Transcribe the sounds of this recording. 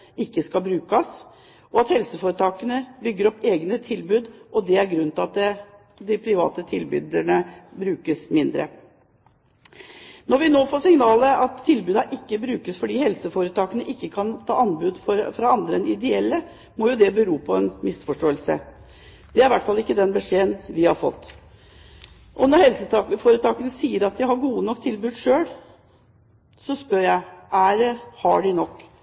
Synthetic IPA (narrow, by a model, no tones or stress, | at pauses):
ɪkːəskɑbɾʉːkɑs | ɔɑt̪hɛlsəfoːɾət̪ʰɑːkənəbʏɡːəɾɔpːeːɡnət̪ʰɪlbʉːd̪ʔɔd̪ɛæɾɡɾʉnt̪ɪɑt̪ | d̪ɪpʰɾɪʋɑ̰ːt̪ət̪ʰɪlbʉ̰ːd̪əɳəbɾʉːkəsmɪnd̪ɾə̰ | nɔɾʋɪnoːfoːsɪŋnɑːləɑt̪ʰːɪlbʉːd̪ɑʔɪkːəbɾʉːkəsfɔɖiːhɛlsəfoːɾət̪ʰɑːkənəʔɪkːəkʰɑnt̪ʰɑ̰ːʔɑnbʉːd̪fɔɾfɾɑɑnd̪ɾəɛnɪd̪ɛɛlːə | mɔjʊd̪ɛbəɾuːpʰɔɛnmɪsfɔʂʈoːəlsə̰ | d̪̥ɛæɾɪʋæʈːfɑlɪkːəd̪ɛnbɛʂeːənʋɪhɑ̰ɾfɔ̰t̪ː | ʔɔnɔɾhɛlsət̪ɑfoːɾət̪ʰɑːkənəsiːəɾɑt̪̚d̪ɪhɑɾɡuːənɔkːt̪ʰɪlbʉːd̪ʂøːɽ | sɔspœɾjæɪæɾhɑɖɪnɔkː